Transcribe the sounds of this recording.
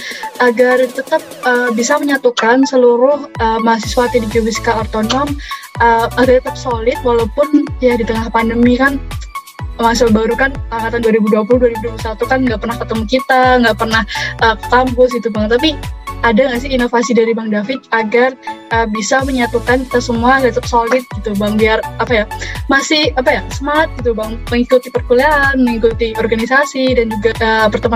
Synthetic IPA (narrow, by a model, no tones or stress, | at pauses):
ʔaɡart̪ət̪əp̚əbisaməɲat̪ukansəluɾʊhəːmaɦasisuat̪idipuwiskaort̪onɔm | əaɡart̪ət̪əp̚solɪt̪̚walawupʊnjadit̪əŋahpandəmikan | maŋsabaɾukanəkat̪anduaɾibuduapuluhduaɾibuduap̬ulusat̪ukanŋɡaʔpərnahkət̪əmukit̪aŋɡaʔpərnahʔəkə̥t̪ampʊsɡit̪ubaŋt̪apiadaŋɡas̬ɪinofasidaɾibaŋdafɪt͡ʃaɡarʔəːbisaməɲat̪ukankit̪asəmuakat̪ʊk̚solɪt̪̚ɡit̪ubaŋbiarapajamasɪhapajasəmat̪̚ɡit̪ubaŋməŋikut̪ipərkuleanməŋikut̪iɔrɡanisasidand͡ʒuɡaʔəːpərt̪əma